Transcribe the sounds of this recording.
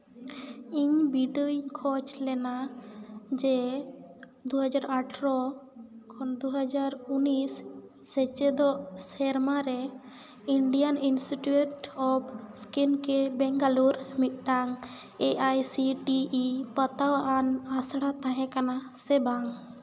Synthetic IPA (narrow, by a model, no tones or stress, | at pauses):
iɲbiɖuiɲkʰɔt͡ʃlɛna | d͡ʒɛ | d̪uɦəd͡ʒaɾaʈʰɾɔkʰɔnd̪uɦad͡ʒaɾunisː | ɛt͡ʃɛd̪ɔʔsɛɾmaɾɛ | iɳɖijaninsʈiʈuʈɔpskinkɛbɛŋɡaluɾmit̪̚ˀɖaŋ | eʔajsiʈiʔipət̪awʔanasɽat̪ãɦɛ̃kana | sɛbaŋ